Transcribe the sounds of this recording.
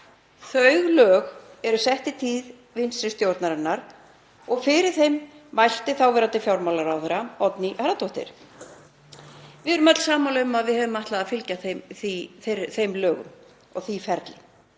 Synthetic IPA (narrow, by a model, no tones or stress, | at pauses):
θœɥɣlœːɣ | ɛɾʏsɛht̪ɪt̪ʰiːð | vɪnsɾɪst̪jowɾt̪naɾɛnːaɾ̥ | ɔɣfɪɾɪɾ̥θejmːajst̪ɪθawvɛɾat̪ɪfjawɾmawlaɾawθɛɾaɔt̪niʔaɾat̪ɔht̪ɪ̰ɾ̥ | vɪðɛɾʏmœt̪l̥saːmawlaʏmaðvɪðhɛvʏmaht̪laðafɪlcaθθiθθejmlœːɣʏ̰m | ɔɣθifɛɾt̪lɪ